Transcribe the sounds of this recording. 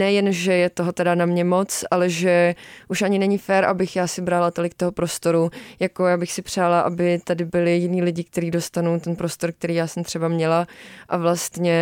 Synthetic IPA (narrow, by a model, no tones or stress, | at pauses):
nɛjɛnʒɛjɛt̪oɦot̪ɛdanamɲɛmo̞t͡sʔalɛʒɛʔuʃʔaɲɪnɛɲɪfɛːɾʔabɪxjaːsɪbɾalat̪o̞lɪkt̪oɦo̞pɾo̞st̪o̞ɾujako̞jaːbɪxsɪpr̝̥aːlaʔabɪt̪adɪbɪlɪjɪniːlɪɟɪk̚t̪ɛɾiːdo̞st̪anowt̪ɛnpɾo̞st̪o̞ɾk̚t̪ɛɾiːjaːsɛmt̪r̥ɛbamɲɛlaʔavlast̪ɲɛ